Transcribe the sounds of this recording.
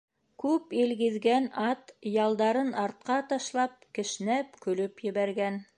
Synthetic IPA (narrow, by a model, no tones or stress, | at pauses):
kʉpilɡɘ̆ðɡænɑt̪jɑlˠd̪ɑɾɤnɑɾt̪̚qɑt̪ɑʃlˠɑp̚kɘ̆ʃnæpkɵ̆lɵpjɘ̆βæɾɡæn